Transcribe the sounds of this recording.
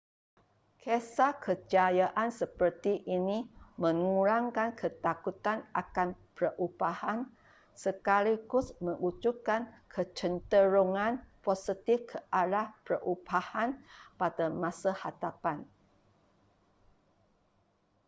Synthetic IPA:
kʰesakʰəd͡ʒajaʔansəpərt̪iʔinimə̃ŋuɾaŋkankʰət̪akut̪anʔakanpərʔubahan | səkaliɡʊsməŋut͡ʃukankʰət͡ʃənt̪əɾoŋãnposit̪ɪfkʰəʔalahpərʔubahanpadamãsahadapan

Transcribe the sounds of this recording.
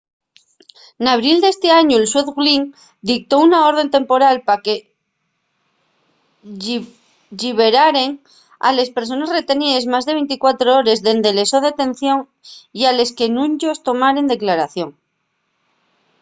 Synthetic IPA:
naβ̞ɾild̪e̞st̪e̞aɲuelswe̞θɣliŋ | d̪ik̚t̪o̞unao̞ɾðe̞nt̪e̞mpo̞ɾalpake | ʎiβe̞ɾaɾe̞ŋ | a̰le̞spe̞ɾso̞nasret̪e̞niðe̞zmazðee̞jnt̪ikwat̪ɾooɾe̞zðe̞nd̪ele̞so̞ðeat̪e̞n̟θjo̞ŋ | iale̞ske̞nũɲʝo̞st̪o̞maɾe̞nd̪eklaɾaθjo̞ŋ

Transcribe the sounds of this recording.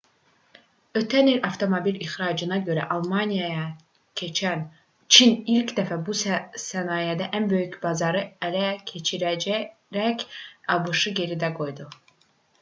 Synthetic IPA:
ø̞t̪ʰænilɑft̪ʰo̞mobilixɾɑːd͡ʒɯnɑɟø̞ɾæ̰ʔɑlˠmɑnijɑjɑ | cʰet͡ʃʰæn | t͡ʃʰinilcd̪æfæbusænɑːjæd̪æʔænbø̞jycbɑzɑɾɯælæcʰet͡ʃʰiɾ | ɾæcɑbɯʃɯɟe̞ɾid̪æɡo̞jd̪u

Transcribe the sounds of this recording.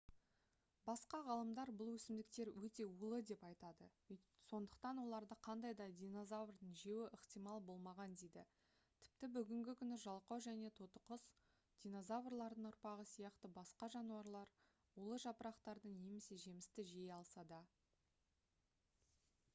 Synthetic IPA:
bɑsqɑʁɑlˠəmd̪ɑɾbʊlˠwɵsɪmd̪ɪk̚t̪e̞ɾwɵt̪e̞ulˠəd̪e̞pɑjt̪ɑd̪əso̞nd̪əqt̪ɑnwo̞lˠɑɾd̪əqʰɑnd̪ɑjd̪ɑd̪ʲijno̞zavrd̪əɴʒe̞wɪʔəqt̪ijmɑlˠbo̞lˠmɑʁɑnd̪ejd̪ɪ | t̪ʰɪ̥p̚t̪ɪbʏɡʲɪŋɡʲɪkʲʰʏnɪʒɑlˠqɑwʒæne̞t̪ʰot̪əqəs | d̪̥ʲijnozavrlˠɑɾd̪əɴʊɾpɑʁəsijɑqt̪əbɑsqɑʒɑnuwɑɾlˠɑɾ | ulˠəʒɑpəɾɑqt̪ɑɾd̪əɴne̞me̞se̞ʒe̞mɪst̪ɪʒejɑlˠsɑd̪ɑ

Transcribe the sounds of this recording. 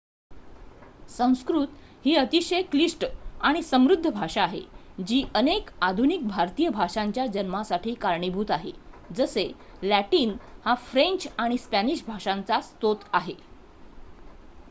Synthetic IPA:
sə̃w̃skɾut̪hiːət̪iɕəjkliʂʈaɽ̃isəmɾud̪ʱːəbʱaʂaːɦḛd͡ʑiːʔənekad̪ʱunik̚bʱaɾt̪ijəbʱaʂaɲt͡ɕjad͡ʑənmasaʈʰiːkaɾɳibʱuːt̪aɦe | d͡zəse | læʈiːnhafɾeɲt͡ɕaɽ̃ispæniɕbʱaʂant͡sast̪ot̪aɦe

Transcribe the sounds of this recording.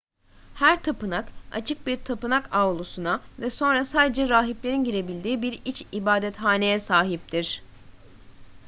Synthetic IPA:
hæɾt̪ʰapɯnaka̰t͡ʃʰɯk̚biɾt̪ʰapɯnakavlˠusunavɛso̞nɾasaːd̪e̞d͡ʒɛɾaːɦiplʲe̞ɾinɟiɾe̞bilʲd̪iːbiɾit͡ʃibaːd̪ɛt̪ɦaːne̞jɛsaːɦip̚t̪ʰiɾ̥

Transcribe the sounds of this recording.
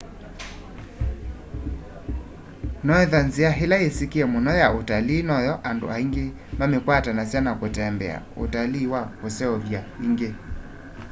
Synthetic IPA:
nɔɛðanziaɦelaesikiɛmonɔjaotaliːnɔjɔʔando̰aiŋɡe | mamekwatanasjanakotɛmbɛ̰a̰o̰taliːwakosɛɔβjaiŋɡe

